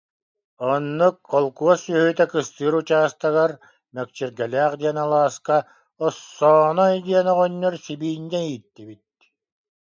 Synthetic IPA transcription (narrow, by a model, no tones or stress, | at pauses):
ɔnːuk̚ɔlˠkuɔsyhyːt̪ɛkɯst̪ɯːɾut͡ɕaːst̪aɣaɾ | mɛk̚t͡ɕiɾɡɛlʲæːχd̪iɛnalˠaːska | ɔsːɔːnɔjd̪iɛnɔʁɔnːɔɾsibiːnd̪ɛiːt̪ːibit̪̚